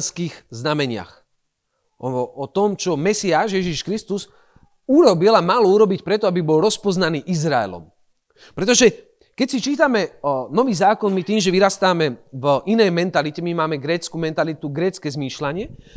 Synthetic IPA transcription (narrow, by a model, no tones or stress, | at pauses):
skiːɣznamɛɲɪa̰x | ɔt̪ɔmt͡ʃɔmɛsiaːʃjɛʒiʃkɾist̪uz | uɾɔbilamalɔuɾɔbicpɾɛt̪ɔabibɔlɾɔspɔznaniːʔizɾaɛ̰lɔ̰m | pɾɛt̪̬ɔʒɛ | kɛcsit͡ʃiːt̪amɛnɔʋiːzaːkɔnmit̪iːmʒɛʋiɾast̪aːmɛvʔinɛjmɛnt̪alicɛmimaːmɛɡɾɛːt͡skumɛnt̪alit̪uɡɾɛːt͡skɛːzmiːʃlaɲɪɛ